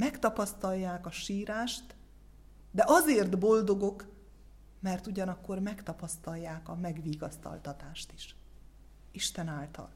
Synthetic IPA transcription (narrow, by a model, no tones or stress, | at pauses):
mɛkt̪ɒpɒst̪ɒjːaːkɒʃiːɾaːʃt̪ | d̪ɛʔɒzeːrt̪bo̞ld̪o̞ɡo̞k | mɛrt̪uɟɒnɒkːo̞rmɛkt̪ɒpɒst̪ɒjːaːkɒmɛɡʋiːɡɒst̪ɒ̰lt̪ɒt̪aːʃt̪i̥ʃ | iʃt̪ɛnaːlt̪ɒ̰l